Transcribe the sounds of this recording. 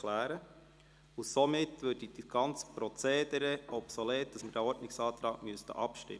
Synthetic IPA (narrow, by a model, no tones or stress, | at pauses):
læːɾə | ʊsomɪtːʋøːrdid̥iɡ̥ɑnt͡sə̥pɾɔt͡seːdəɾɛɔpsɔleːt̚d̥ɑsməd̥æɔɾtnɪksɑːt̪ɾɑːɡ̥myəstə̰ʔɑpʃtɪ̰m